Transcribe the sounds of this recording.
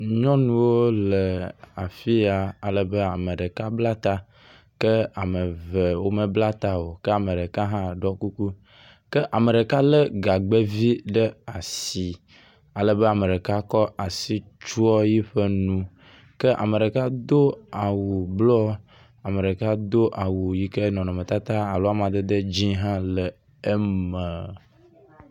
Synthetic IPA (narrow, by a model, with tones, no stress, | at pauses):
ɲɔ̃˦nũ˦wo˦le˨a˨fi˦a˨a˨lə˨be˦a˨me˨ɖə˨ka˦bla˦t̪a˦ | kə˦a˨me˨ve˨wo˦me˦bla˦t̪a˦wo˨kə˦a˨me˨ɖe˨ka˦ɦã˦˨ɖɔ˦ku˦ku˦ | kə˦ʔa˨mə˨ɖe˨ka˦le˦ɡa˨ɡ͡be˦vi˦ɖə˦a˨si˨ | a˨lə˦be˦a˨me˨ɖe˨ka˦kɔ˦ʔa˨si˦t͡ʃu˦ɔ˦ji˦ɸə˦nũ˦ | kə˦ʔa̰˨mẽ˨ɖe˨ka˦d̪o˦a˨wu˨blɔ˦ | a˨me˨ɖe˨ka˦d̪o˦ʔa˨wu˨ji˦ke˦nɔ̃˨nɔ̃˨mẽ˨t̪a˦t̪a˦a˨lo˦a˦m˨a˨d̪e˦d̪e˦d͡ʑi˦ɦã˦lə˨ | e˦mə˨